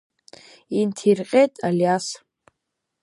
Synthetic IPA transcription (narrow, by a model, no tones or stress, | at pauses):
intʰirqʲʼejtʼaljas